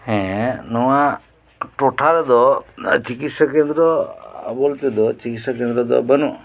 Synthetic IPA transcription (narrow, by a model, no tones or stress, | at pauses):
hɛ̃nɔwa | ʈoʈʰaɾɛd̪ɔt͡ʃikit̪sakend̪ɾɔbolt̪ed̪ɔt͡ʃikit̪sakend̪ɾɔd̪ɔ̰bənu